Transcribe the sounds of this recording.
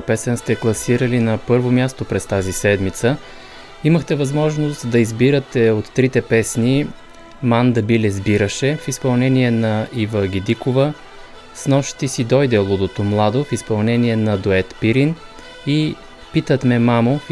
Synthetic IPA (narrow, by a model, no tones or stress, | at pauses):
pɛsɛnst̪ɛklˠɐsiɾəlinɐpɤɾvomʲjast̪opɾɛst̪azisɛd̪mit̪sə | iməxt̪ɛvɐzmɔʒnost̪d̪ɐizbiɾət̪ɛot̪ːɾit̪ɛpɛsni | mand̪ɐbilɛzbiɾəʃɛfispɐlˠnɛniɛnɐivəɡʲid̪ikovə | snɔʃt̪isid̪ɔjd̪ɛlˠod̪ot̪omlˠad̪ofispɐlˠnɛniɛnɐd̪oɛt̪piɾin | i | pit̪ət̪mɛmamo